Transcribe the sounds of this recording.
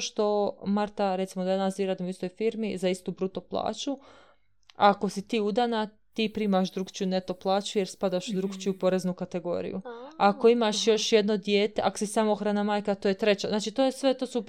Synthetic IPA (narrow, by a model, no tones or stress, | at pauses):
ʃt̪o̞maɾt̪aɾet̪simod̪anaziɾaːd̪imoist̪o̞jfiːɾmizaist̪ubɾut̪o̞plˠa̰ːt͡ʃu | ako̞sit̪iːud̪ana | t̪iːpɾiːmaʃ̬d̪ɾuɡt͡ɕijune̞t̪o̞plˠaːt͡ɕuje̞ɾspad̪aʃud̪ɾuɡt͡ʃijupo̞ɾeznukat̪e̞ɡo̞̰ɾḭjṵako̞imaʃjo̞ʃje̞d̪no̞d̪je̞ːt̪e̞ʔakosisamooxɾanamaːjkat̪oːjet̪ɾe̞t͡ɕaznaːt͡ʃit̪o̞ːjesʋe̞t̪o̞ːsu